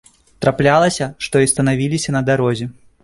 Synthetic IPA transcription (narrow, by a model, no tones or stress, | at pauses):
t̪ɾaplʲalˠɐsʲɐʂt̪ɔist̪ɐnavʲilʲisʲɐnɐd̪aɾɔzʲɛ